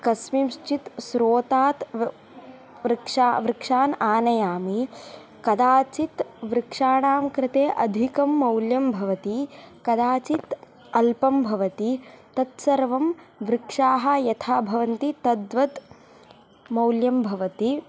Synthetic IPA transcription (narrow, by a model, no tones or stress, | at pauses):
kɐsmimʂt͡ʃit̪sɾoːt̪aːt̪ | ʋɾɪkʂaːʋɾɪkʂaːnaːnɐjaːmi | kɐd̪aːt͡ʃit̪ʋɾɪkʂaːɳaːmkɾɪt̪eːʔɐd̪ʱikɐmːɐwljɐmbʱɐʋɐt̪ikɐd̪aːt͡ʃit̪ | ɐlpɐmbʱɐʋɐt̪it̪ɐt̪sɐɾʋɐmʋɾɪkʂaːɦɐ̆jɐt̪ʰaːbʱɐʋɐnt̪it̪ɐd̪ʋɐt̪ | mɐwljɐmbʱɐʋɐt̪i